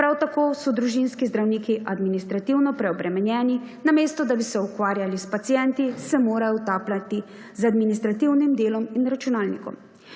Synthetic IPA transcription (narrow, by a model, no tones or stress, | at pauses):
pɾawt̪akoːsɔd̪ɾuʒinskizd̪ɾawniːkiʔad̪minist̪ɾat̪iwnɔpɾɛɔbɾɛmɛnjɛːninameːst̪ɔd̪abisɛukʋaːɾjalispat̪sijɛnt̪isɛmoːɾajɔt̪aːplat̪i | zad̪minist̪ɾat̪iwnimd̪eːlɔminɾat͡ʃunaːlnikɔ̰m